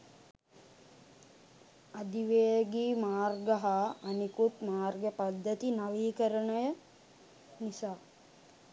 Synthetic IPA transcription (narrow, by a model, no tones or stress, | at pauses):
ad̪iʋejəɡiːmaːrɡəɦaːnikut̪maːrɡəpad̪ːət̪inaʋiːkəɾəɳəjə | nisaː